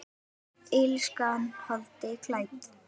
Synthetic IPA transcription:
ɪlskanhɔlt̪ɪkʰlajt̪

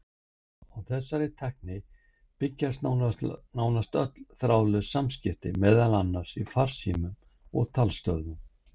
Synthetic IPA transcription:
awθɛsːaɾɪt̪ʰɛhk̚nɪ | pɪcːast̪naːwnast̪œt̪l̥θɾaːwlœsamscɪft̪ɪ̰mɛːðalanːaɾ̥sifaɾ̥sḭːmʏm | ɔ̰ɣt̪ʰalst̪œ̰ðnʏm

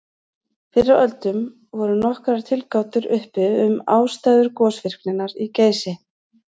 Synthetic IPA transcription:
fɪrːaœlt̪ʏm | vɔɾʏnɔhkɾaɾ̥t̪ʰɪlkaːwt̪ʏɾʏhpɪʏmaːwst̪ajðʏɾkɔːsvɪr̥knɪnːaɾiceːjsɪ

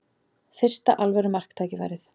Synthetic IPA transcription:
fɪr̥st̪a̰ʔalvɛɾʏmar̥kt̪ʰaːcɪva̰jɾɪθ

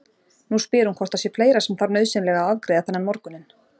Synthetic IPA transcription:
nuspɪːɾhunkʰɔr̥t̪asjɛfleːjɾasɛmθaɾnœɥðsɪnlɛɣaaðkɾejðaθanːɪmmɔɾkʏnːɪn

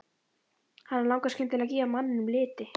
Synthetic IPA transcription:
hanːaɾlawŋkascɪnt̪ʰɪlaðciːvamanːɪnʏmlɪːt̪ɪ

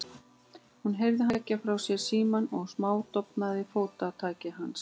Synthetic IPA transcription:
hunɦejvðɪɦacːafɾawsjɛɾ̥siːmanɔɣsmaːwt̪ɔpnaðɪfoːwt̪at̪ʰaːcɪɦans

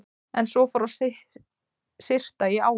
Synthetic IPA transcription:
ɛnsɔfɔɾasɪh | sɪr̥t̪aiaːw

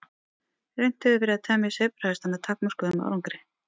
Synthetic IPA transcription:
rejn̥t̪ʏðʏvɛɾɪaðt̪ʰɛːmɪsepɾ̥ast̪anat̪ʰakmɔskʏðʏma̰ɾaŋkaɾɪ

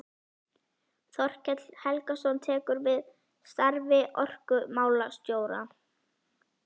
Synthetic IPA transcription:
θɔr̥cɛt̪l̥hɛlkasɔnt̪ʰɛːkʏɾvɪð | st̪aɾvɪʔɔr̥kʏmaːwlast̪joːwɾa̰

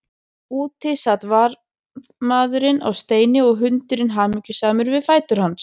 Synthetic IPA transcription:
uːt̪ʰɪsat̪vaɾ | maːðʏɾɪna̰wst̪eːjnɪɔɣɦʏnt̪ʏɾɪnɦaːmicʏsaːmʏɾvɪðfaːjt̪ʏɾ̥hans

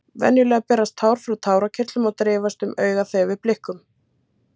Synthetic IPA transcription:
vɛ̰njʏlɛːɣapɛːɾast̪ʰaːwɾ̥fɾawt̪ʰaːwɾacʰɪɾ̥t̪lʏmawt̪ɾɪːvast̪ʏmœːɥɣaθejvɪðplɪhkʏm

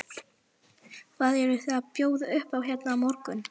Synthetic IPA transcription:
kʰvaðɛɾʏθapjoːwðʏhpawçɛt̪namɔɾkʏn

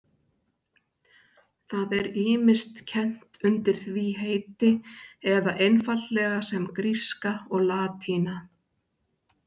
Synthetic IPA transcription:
θaðɛɾiːmɪst̪cʰɛn̥t̪ʏnt̪ɪɾ̥θviɦeːjt̪ɪɛðaʔejnfalt̪lɛɣasɛmkɾiskaɔɣlaːt̪hiːna

